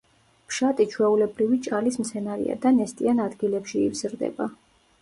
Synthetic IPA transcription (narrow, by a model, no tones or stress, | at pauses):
pʰʃat̪ʼit͡ʃʰwɛulɛbɾivit͡ʃʼalismt̪sʰɛnaɾḭa̰d̪anɛst̪ʼianad̪ɡilɛpʃḭːvz̥ɾd̪ɛ̰ba